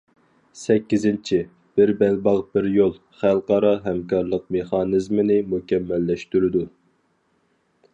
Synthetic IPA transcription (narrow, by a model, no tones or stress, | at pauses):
sɛkʲːizɪnt͡ʃʰi | b̥ɪɾbɛlbɑʁbɪɾjolˠ | χælˠqɑɾɑɦɛmkɑɾlˠəq̚meχɑnɨzmɪnɪmukʲɛmːɛlːɛʃt̪yɾɪd̪u